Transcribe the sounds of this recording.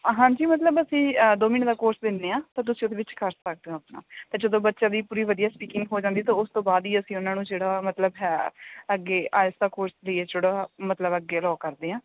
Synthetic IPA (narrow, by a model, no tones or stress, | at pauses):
ɦãːɲd͡ʒiːmət̪ləbəsĩːd̪oːminːd̪aːkoːɾsd̪ɪnːeːãːt̪aːt̪̬ʊsĩːʊd̪eːʋɪt͡ʃkʰəɾssək̚d̪eõːəpna̰ːt̪aːd͡ʒəd̪õːbətːʃãːd̪iːpuːɾiːʋəd̪ijaːspiːkɪ̃ŋɡɦoːd͡ʒãːnd̪iːt̪ãːʊst̪õːbaːd̪iːəsĩːʊnãːnũːd͡ʒeːɽaːmət̪ləbɦɛːəɡːeːʔa̰ːsd̪aːkoːɾsləieːd͡ʒoɽaːmət̪ləbəɡːeːlɔːkəɾd̪eːãː